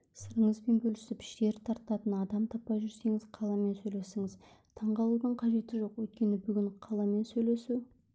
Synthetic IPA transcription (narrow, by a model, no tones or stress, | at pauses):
səɾəɴəzbe̞nbʲɵlɪ̥sɪpɪ̥ʃt̪e̞ɾt̪ʰɑɾt̪ɑt̪ənɑd̪ɑmt̪ʰɑpːɑjʒʏɾse̞ŋɪzqʰɑlˠɑme̞nsɵjle̞sɪŋɪz | t̪ʰɑɴʁɑlˠud̪əɴqʰɑʒe̞t̪ɪʒo̞qwɵjt̪̚kʲe̞nɪbʏɡʲɪɴqʰɑlˠɑme̞nsɵjle̞suw